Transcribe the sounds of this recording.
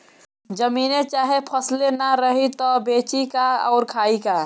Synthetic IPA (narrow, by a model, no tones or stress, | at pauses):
d͡ʒəmiːnet͡ʃaːɦepʰəslenaɾəɦit̪ɔbeːt͡ʃikaɔʊɾkʰaːika